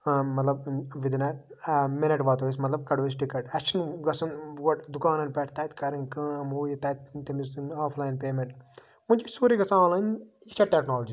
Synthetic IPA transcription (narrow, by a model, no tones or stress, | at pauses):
mɐt̪lɐb̚ʋid̪nɐʈ | menɐʈʋaːt̪oːs̬mɐt̪lɐb̚kɐɽoːs̬ʈikɐʈɐkt͡ʃʰɐnɡɐsɐnʋɐʈd̪ukaːnɐnpeʈʰt̪ɐt̪kɐɾiŋkɐ̃ːmuːjit̪ɐt̪̚t̪emisnaːfʰlaːjinpeːmeɳʈ | munt͡ʃisuːɾiɡɐsãːnlaːjn | kt͡ʃʰɐʈeknaːlɐd͡ʒi